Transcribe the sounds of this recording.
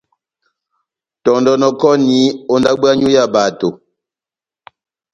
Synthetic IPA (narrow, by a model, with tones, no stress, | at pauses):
tɔ˨ndɔ˨nɔ˨kɔ˦ni˨˦o˦nda˦ba˦ɲu˦ja˦˨ba˨to˨